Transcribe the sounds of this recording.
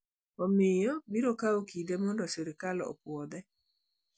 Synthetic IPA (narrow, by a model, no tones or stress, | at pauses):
ɔmɪjɔbiɾokaokidemɔndɔseɾɪkalɔɔ̰pwɔd̪ɛ